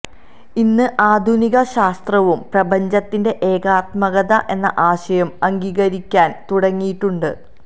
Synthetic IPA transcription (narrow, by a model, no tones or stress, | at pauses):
inːɨʔaːd̪ʱuniɣɐɕaːst̪rɐʋumprɐbɐɲd͡ʑɐt̪ːinde̞ʔeːɡaːt̪̚mɐɣɐðɐʔe̞nːɐʔaːɕɐjɐmɐŋɡiːɣɐɾikʲːaːnt̪uɽɐŋːijiʈːuɳɖɨ